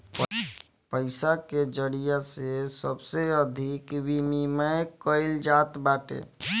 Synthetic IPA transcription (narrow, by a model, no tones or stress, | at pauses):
p | pəɪsaked͡ʒəɽijasesəbseəd̪ʱikwimiməjkəɪld͡ʒat̪baːʈḛ